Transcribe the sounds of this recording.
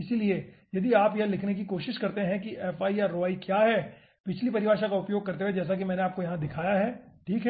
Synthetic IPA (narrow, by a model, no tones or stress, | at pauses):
ɪsiliejɐd̪iaːpjɐ̃lɪkʰnek̬ikoːʃɪʃkɐɾt̪eɦɛ̃kiʔɛːfaːiaːɾːoaːikjaːɦɛː | pɪt͡ʃʰlipɐɾɪʋaːʃãkaʊpjoːɡ̚kɐɾt̪eed͡ʒɛːs̬ak̬imɛ̃ːneaːp̚kojɐɦãd̪ɪkʰaːjaɦɛːʈʰiːkɦɛ